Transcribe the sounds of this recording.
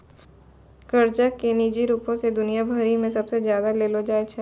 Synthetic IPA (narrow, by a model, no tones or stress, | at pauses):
kɐɾd͡ʒakːeniːd͡ʒiɾuːpõsed̪ʊnijabʱɐɾimẽsɐbsezjaːd̪aleːlod͡ʒaːet͡ʃʰɛ